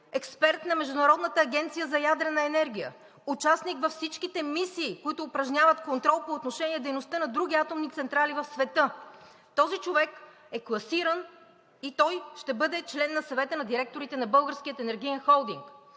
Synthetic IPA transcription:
ɛkspɛɾt̪nɐmɛʒd̪ʊnɐɾɔd̪nət̪əːɡʲɛnt̪sijəzɐjad̪ɾɛnɐɛnɛɾɡ̟ʲijə̰ | ut͡ʃasnikvɐfsit͡ʃkit̪ɛmisiːkoit̪ʊːpɾɐʒnʲavət̪kont̪ɾɔlˠpoːt̪noʃɛniɛd̪ɛjnost̪ənɐd̪ɾuɡ̟ʲiat̪omnit̪sɛnt̪ɾalivɐfsvɛt̪ɤ | t̪ɔzit͡ʃovɛk | ɛklˠɐsiɾən | it̪ɔjʃt̪ɛbɤd̪ɛt͡ʃlɛnːɐsɐvɛt̪ənɐd̪iɾɛk̚t̪oɾit̪ɛnɐbɤlˠɡəɾskʲijət̪ɛnɛɾɡ̟ijənxɔlˠd̪iŋk

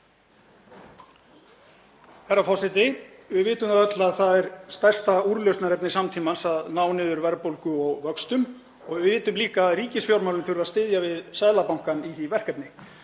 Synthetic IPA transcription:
θɛɾːafɔsɛt̪̬ɪvɪvɪːt̪ʏmaðœt̪laðθaðɛɾst̪ajr̥st̪auɾlœst̪naɾɛpnɪsamt̪ʰiːmansaðnaːwnɪːðʏɾvɛɾpowlkʏɔɣvœkst̪ʏm | ɔɣvɪvɪːt̪ʏmliːkaɾiːcɪsfjowɾmawlʏmθʏɾʏvast̪ɪːðjavɪðsaːjlapawŋ̥kaniθivɛr̥kɛpnɪ

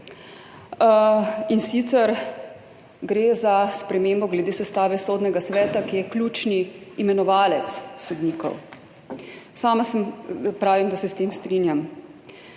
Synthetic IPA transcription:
insit̪sɛɾ | ɡɾeːzaspɾɛmeːmbɔɡlɛd̪eːsɛst̪aːʋɛsoːd̪nɛɡasʋɛːt̪akijɛklʲuːt͡ʃniːmɛnɔʋaːlɛt̪ssɔd̪niːkɔ̰w | saːmasɛmpɾaːʋimd̪asɛst̪eːmst̪ɾinjam

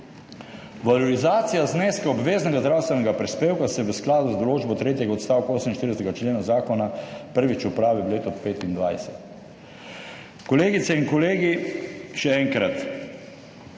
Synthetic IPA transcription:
ʋalɔɾizaːt̪sijazneːskaɔbʋeːznɛɡazd̪ɾaːwst̪ʋɛnɛɡapɾispeːwkasɛʋəsklaːd̪uzd̪ɔloːd͡ʒbɔt̪ɾeːt̪jɛɡaɔt̪st̪aːwkaoːsəminʃt̪iɾd̪ɛsɛt̪ɛɡat͡ʃleːnazaːkɔnapəɾʋit͡ʃupɾaːʋɛbleːt̪ɔpeːt̪ind̪ʋajsɛt̪ | kɔleːɡit̪sɛiŋkɔleːɡiʃɛɛŋkɾat̪

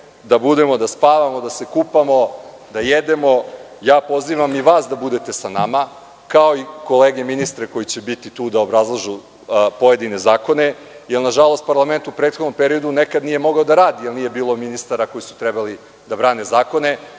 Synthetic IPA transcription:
d̪abud̪e̞mo̞d̪aspaːʋamo̞d̪ase̞kupamo̞ | d̪ajed̪e̞mo̞ | jaːpo̞ziʋamiʋaːsd̪abud̪e̞t̪e̞sanama | kao̞iko̞leːɡeminist̪ɾeko̞jit͡ɕe̞bit̪it̪uːd̪aobɾazlˠaʒu | po̞je̞d̪ine̞zaːko̞ne̞ | jelˠnaʒalˠo̞st̪̚paɾlˠame̞nt̪upɾe̞ːt̪xod̪nompeɾiod̪unekad̪nije̞mo̞ɡaod̪aɾaːd̪ijelnije̞biːlˠo̞minist̪aɾako̞jisu̥t̪ɾebali | d̪abɾaːne̞zaːko̞ne̞

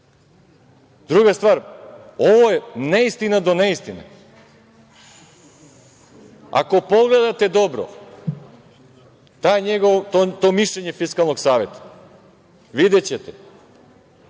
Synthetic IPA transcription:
d̪ɾuɡast̪vaːɾoʋojeneist̪inad̪oneist̪ine | a̰ko̞poɡled̪at̪ed̪obɾo̰ | t̪ajɲeɡoʋ̪ot̪omiʃlʎeɲefiskalˠnoɡsaːʋet̪ḁ | ʋid̪et͡ɕet̪ɛ

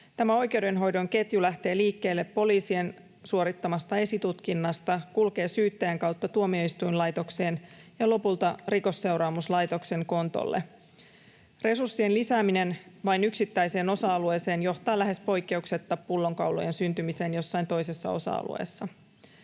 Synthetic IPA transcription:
t̪æmæo̞jk̟e̞wde̞nɦo̞jdo̞ŋke̞t̪julæht̪e̞ːliːkːe̞ːlːe̞pːo̞liːsie̞n | suo̞ɾit̪ːɑmɑst̪ɑe̞sit̪ut̪k̟inːɑst̪ɑkulke̞ːsyːt̪ːæjæŋkɑwt̪ːɑt̪uomio̞ist̪ujnlɑjt̪o̞kse̞ːnjɑlo̞pult̪ɑriko̞sːe̞wɾɑːmuslɑjt̪o̞kse̞ŋko̞nt̪o̰lːʔe | re̞sursːie̞nlisæːmine̞nʋɑjnyksit̪ːæjse̞ːno̞sɑɑlueːse̞ːnjo̞ht̪ɑːlæɦe̞spo̞jkːe̞ukse̞t̪ːɑppulːo̞ŋkɑwlo̰jensynt̪ymise̞ːnjo̞sːɑjnt̪o̞jse̞sːɑ̰o̞̰sɑ̰ɑ̰lṵḛːsːɑ

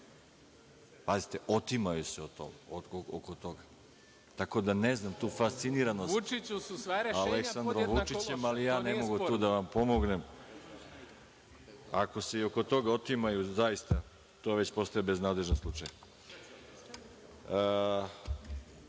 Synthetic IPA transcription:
pazit̪eʔot̪imajuseot̪o̰moookot̪o̞ɡa | t̪ako̞d̪aneznamt̪uːfast̪siniɾanosualeksand̪ɾomʋut͡ʃit͡ɕemalijaːnemoɡut̪uːd̪aʋampomoɡnem | a̰ko̞se̞ioko̞t̪o̞ɡaot̪imajuzajist̪a | t̪o̞ːʋe̞t͡ɕpo̞st̪ojebe̞znaːd̪le̞ʒnenslˠut͡ʂaja

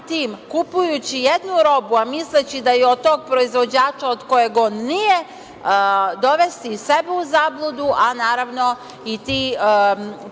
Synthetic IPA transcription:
t̪iːmkupujut͡ɕijed̪nuɾo̞buamislet͡ɕid̪ajeod̪̚t̪ːo̞ːɡ̚pɾo̞izʋo̞d͡ʑaːt͡ʃaod̪ko̞je̞ɡonije̞ | d̪o̞ʋest̪ise̞bɛuzaːblˠud̪uʔanaːɾaʋno̞ | it̪iː

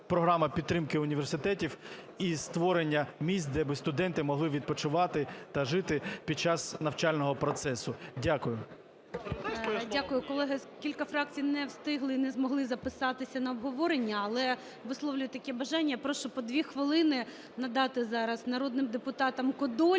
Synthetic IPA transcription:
pɾɔɦɾɑmɐpʲid̪t̪ːɾɪmkɪʊnʲiʋʲersɪt̪ɛtʲiw | ist̪ʋɔɾenʲːɐmʲisʲt̪̚ʲd̪ɛbɪst̪ʊd̪ɛnt̪ɪmɔɦlˠɪʋʲid̪̚pɔt͡ʃʊʋɑt̪ɪt̪ɐʒɪt̪ɪpʲid̪̚t͡ʃɑsnɐwt͡ʃalʲnɔɦɔpɾɔt̪sɛsʊdʲakʊjʊ | dʲakʊjʊkɔlˠɛɦɪkʲilʲkɐfɾɑk̚t͡sʲijnɛwst̪ɪɦlˠɪinɛzmɔɦlˠɪzɐpɪsɑt̪ɪsʲɐnɐɔbɦɔʋɔɾenʲːɐɐlˠɛ | ʋɪslˠɔʋlʲʊjʊt̪ɐkʲɛbɐʒɑnʲːɐpɾɔʃt͡ʃɔpɔd̪ʲʋʲixʋɪlˠɪnɪ | nɐd̪ɑt̪ɪzɑɾɐznɐɾɔd̪nɪmd̪epʊt̪ɑt̪ɐmkɔd̪ɔ

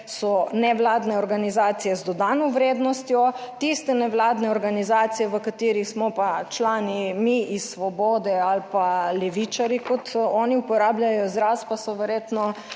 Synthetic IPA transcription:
sɔnɛʋlaːd̪nɛɔɾɡanizaːt̪sijɛzd̪ɔd̪aːnɔʋɾeːd̪nɔst̪jɔt̪ist̪ɛnɛʋlaːd̪nɛɔɾɡanizaːt̪sijɛʋəkat̪iːɾixsmɔpat͡ʃlaːnimiisʋɔbɔːd̪ɛalpalɛʋit͡ʃaɾjikɔt̪ɔːniupɔɾaːblʲjajɔzɾaspasɔʋɛɾjeːt̪nɔ

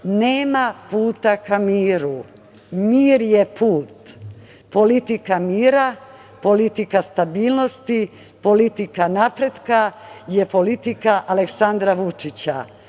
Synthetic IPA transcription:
neːmapuːt̪akamiːɾu | miːɾjepuːt̪ | po̞lit̪ikamiːɾa | po̞lit̪ikast̪abiːlˠno̞st̪i | po̞lit̪ikanapɾed̪kajepo̞lit̪ikaʔaleksand̪ɾaʋut͡ʃit͡ɕa̰

